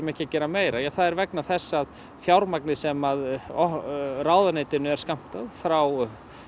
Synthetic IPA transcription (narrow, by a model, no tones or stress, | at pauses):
mɛhcɪacɛːɾameːjɾajaθaðɛɾvɛknaθɛsːað | fjawɾmaknɪsɛmaðɔraːwðaneːt̪ɪnʏɛɾ̥skam̥t̪aðfɾaw